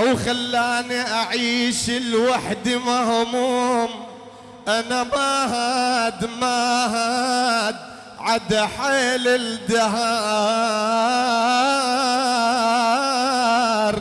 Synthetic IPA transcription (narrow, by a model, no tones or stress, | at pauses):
wxalːaːniʔaʕiːʃɪlwaħd̪imaɦʊmum | ʔanamaɦad̪maɦad̪ | ʕad̪aħeːlɪld̪aɦa | ɾ